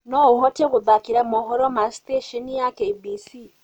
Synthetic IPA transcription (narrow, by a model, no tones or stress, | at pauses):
nɔuhɔteɣuðakiɾamɔɦɔɾɔmasteʃɔnijakeibisi